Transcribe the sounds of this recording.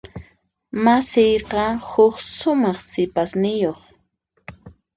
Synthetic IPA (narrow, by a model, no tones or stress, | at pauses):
masɪjqɑhʊksʊmɑχsɪpasnɪjoχ